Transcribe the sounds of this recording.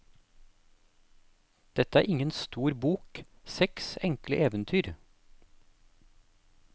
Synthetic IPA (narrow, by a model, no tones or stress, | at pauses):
d̪̥ɛt̪əæːɾʔɪŋənst̪uːɾbuːk | sɛksɛŋkləʔeːʋənt̪ʰyːɾ